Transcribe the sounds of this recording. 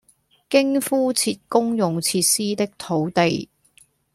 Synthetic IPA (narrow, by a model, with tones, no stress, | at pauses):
kɪ˥ŋfuː˥t͡sʰiː˧t̚kʊ˥ŋjʊ˨ŋt͡sʰiː˧t̚siː˥t̪ɪ˥k̚t̪ʰo˨˥wt̪e˨j